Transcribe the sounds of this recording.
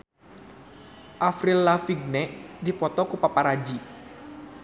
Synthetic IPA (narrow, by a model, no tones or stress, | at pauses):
ʔafɾilːafiɡ̚nɛʔdipɔt̪ɔkupapaɾad͡ʒi